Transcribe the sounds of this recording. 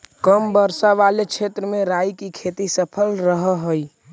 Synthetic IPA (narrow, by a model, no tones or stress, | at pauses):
kəmbəɾsaʋaːlekʃʰeːt̪ɾəmẽɾaːikikʰeːt̪isəpʰəlɾəɦɦəi